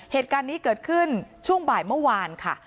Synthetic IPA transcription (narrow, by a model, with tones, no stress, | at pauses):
heː˨˩t̪̚kaː˧nːiː˦˥kɤː˨˩t̪̚kʰɯ˥˩nt͡ɕʰu˥˩əŋbaː˨˩jmɯ˥˩waː˧nkʰa˥˩